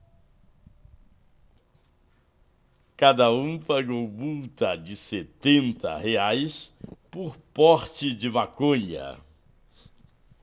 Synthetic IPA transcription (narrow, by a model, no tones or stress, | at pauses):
kad̪ɐũpaɡowmuwt̪ɐd͡ʒɪset̪ẽnt̪ɐ̰heajspoɾpɔɾt͡ʃɪd͡ʒɪvakõɲɐ̰